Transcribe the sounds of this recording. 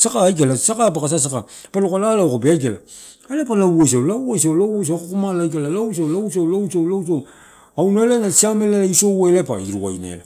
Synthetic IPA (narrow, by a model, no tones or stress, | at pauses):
sakaːjk̬elasakap̬akas̬as̬aka | peɾokalalaokopeajkela | elepalawojs̬alawojsawlawosakokomalajk̬elalaws̬awlawsawlawsawlawso | awnelenasiamelelaisowoelepa̰iɾua̰jnḛla